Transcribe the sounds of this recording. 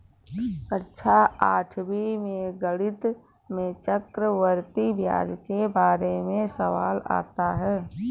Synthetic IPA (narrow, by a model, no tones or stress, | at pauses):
kətːʃʰaaːʈʰbʱimẽɡəɽɪt̪ | mẽt͡ʃəkɾəʋəɾt̪ibʱja̰ːd͡ʒkebaːɾemẽsəʋa̰ːla̰ːt̪aɦɛː